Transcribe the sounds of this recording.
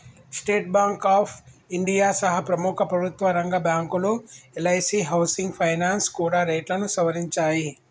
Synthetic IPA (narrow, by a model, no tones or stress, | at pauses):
sʈeːʈ̚baːŋkaːpʰiɳɖijaːsɐɦɐpɾɐmukʰɐpɾɐbʱut̪ʋɐɾɐŋɡɐbjaːŋkuloelɐjsiɦɐwsiŋɡpʰɐjnaːnskuːɽaːɾɐjʈlɐnusɐʋɐɾiɲt͡ʃaːji